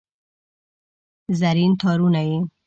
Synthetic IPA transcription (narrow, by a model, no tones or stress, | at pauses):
zaɾint̪ʰɑɾunaji